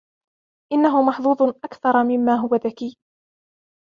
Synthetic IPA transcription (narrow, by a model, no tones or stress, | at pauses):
ʔɪnːaɦʊmɑħðˤuːd̪ˤʔakθɑɾˤɑmɪmːaːɦʊwaðakiː